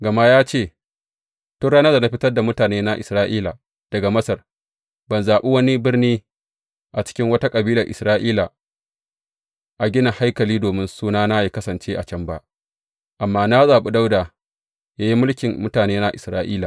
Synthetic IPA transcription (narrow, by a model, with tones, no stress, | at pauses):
ɡɐ˨maː˦jaː˦t͡ʃeː˦˨ | tʊ˦ɽaː˦nɐ˦da˨na˦ɸɪ˦tɐ˦rda˨mʊ˦taː˨neː˦na˦ʔɪ˨sɾaː˦ʔiː˦la˨ | d̥ɐ˨ɡa˨mɐ˦sɐ˨r | bɐ˨nzaː˨ɓe˦wɐ˦ni˦bɪ˦rniː˦ | ʔa˨t͡ʃɪ̥˦kʲɪ˦ŋwɐ˦ta˦kʼɐ˨biː˦lɐ˨rʔɪ̰˨sɾaː˦ʔiː˦la˨ | ʔa˨ɡʲɪ˦nɐ˨ŋha˦jkɐ˨liː˦doː˨mɪ˦nsuː˦naː˦na˦ji˨kɐ˦sɐ˨nt͡ʃeː˦ʔa˨t͡ʃɐ˦mba̰˦ʔ | ʔa˨mːaː˦na˦zaː˨ɓe˦da˦wdaː˨ | jaː˦ji˦mʊ˦lkʲɪ˨mmʊ˦taː˨neː˦na˦ʔɪ˨sɾaː˦ʔiː˦la˨